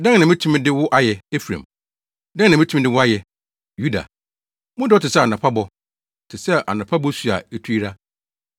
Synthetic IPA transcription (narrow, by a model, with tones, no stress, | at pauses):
dã˦ŋ˦nã˨mɪ̃˦tʰũ˦m̃˦dɪ˦wʊ˦ʔa˦jɛ˨e˦fɾã̰˨m | dã˦nã˨mɪ̃˦tʰũ˦m˦dɪ˦wʊ˦a˦jɛ˨ | ju˦da̰˨ | mʊ̃˦dɪ˦ɔ˦tɪ˨sɛ˦a˨nã˨pʰa˦bɔ˦˨ | tʰɪ˨sɛ˦˨ʔa̰˨nã˨pʰa˦bɔ˦su˨a̰˨˦tʰu˦i˦ɾa˦